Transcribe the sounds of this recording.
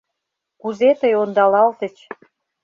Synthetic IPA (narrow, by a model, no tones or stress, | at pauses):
kuzet̪əjond̪ɑlɑlt̪ə̆t͡ɕ